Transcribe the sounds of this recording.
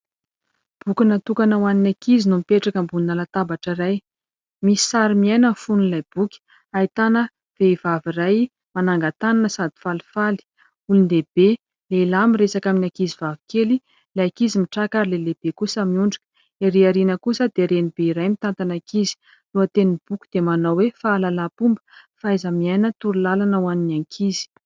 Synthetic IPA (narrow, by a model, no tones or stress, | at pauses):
b̥ukunat̪ukanawaninakizinumipeʈ͡ʂakəmbuninalat̪abaʈ͡ʂəɾaj | misi̥saɾimiajnənfunilajb̥ukʲi̥ | ait̪anə | v̥eivaviraj | manaŋɡat̪ananəsad̪i̥falfali̥ | ulunleb̥e | lelamiresakaminakizivavi̥keli | lakizimiʈ͡ʂakaɾileleb̥ekusəmiuɳɖ͡ʐi̥kə̥ | eɾiaɾinəkusəd̪eɾenibeiɾajmit̪ant̪anakizi̥ | luət̪enib̥ukʲud̪emanawefaːlalapumbə̥faajzəmiajnət̪uɾulalanəwaninaŋkʰizi̥